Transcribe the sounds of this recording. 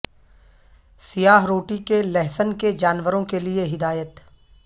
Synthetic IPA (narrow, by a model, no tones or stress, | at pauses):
sɪjaːɦɾoːʈikelɛɦsənked͡ʒaːnʋəɾõkelieɦɪd̪aːjət̪